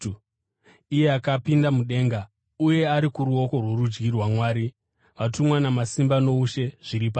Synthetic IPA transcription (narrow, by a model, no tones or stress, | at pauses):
ijeakapindamuɗe̞ːŋɡa | uje̞aɾikuɾuo̞ko̞rwoɾud͡ʒɡirwamwaːɾi | ʋatumwanamasimbano̞uʃe̞ʐ̥iɾipa